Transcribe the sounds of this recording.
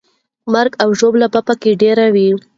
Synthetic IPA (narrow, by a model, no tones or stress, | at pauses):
maɾɡawʒoblabapakeɖeɾawi